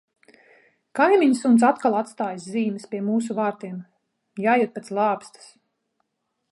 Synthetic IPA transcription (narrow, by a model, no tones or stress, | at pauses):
kajmiɲsunt̪s̬at̪kalˠat̪st̪aːjsziːmɨspʲiɛmuːs̬uvaːɾt̪iɛm | jaːjut̪̚pet̪slˠɑːpst̪ḁs